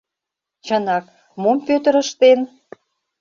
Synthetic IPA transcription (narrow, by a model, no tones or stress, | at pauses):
t͡ɕə̆nɑk | mompøt̪ə̆ɾə̆ʃt̪en